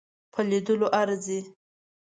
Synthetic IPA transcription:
pʰəlid̪əloʔaɾze

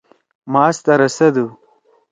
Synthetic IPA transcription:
mɑːst̪ɐɾɐsɐd̪u

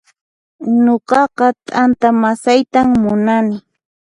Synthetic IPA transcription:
noqɑqɑt̪ʼant̪amasajt̪amːʊnanɪ

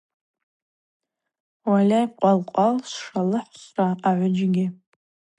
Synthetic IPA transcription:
walʲajqʷʼalqʷʼalsʂalɨħsraaʕʷʊd͡ʒɡʲɪ

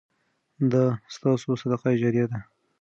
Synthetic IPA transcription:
d̪əst̪ɑsosad̪aqɑd͡ʒaɾjad̪a

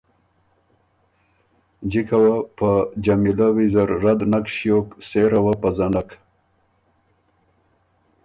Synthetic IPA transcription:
d͡ʒikʰawapad͡ʒamilawizaɾːad̪nakʃjokseɾawapazaɳɖak

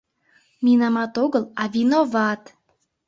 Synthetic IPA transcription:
minɑmɑt̪oɣəlɑvinovɑt̪

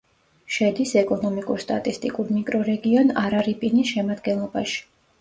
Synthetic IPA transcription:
ʃɛd̪isɛkʼɔnɔmikʼuɾst̪ʼa̰t̪ʼist̪ʼikʼuɾmikʼɾɔɾɛɡiɔnaɾaɾipʼinisʃɛmad̪ɡɛnlˠɔbaʃi̥

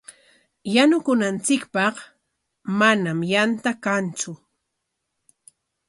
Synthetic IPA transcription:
janʊkʊnant͡sɪkpɑχ | manamjant̪akant͡sʊ

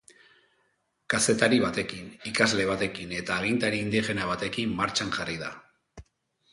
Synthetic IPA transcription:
kase̞t̪aɾiβat̪e̞kinikazle̞β̞at̪e̞kine̞t̪aːɣ̞int̪aɾiːnd̪iʝe̞naβ̞at̪e̞kimːaɾt͡ʃanʝarið̞a̰

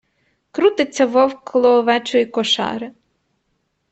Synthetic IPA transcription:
kɾut̪ɪt͡sʲːɐʋɔwklˠɔːʋɛt͡ʃɔjikɔʃɑ̰ɾɪ

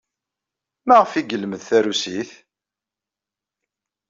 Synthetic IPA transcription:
maʁəfiɡəlməðθæɾusiθ

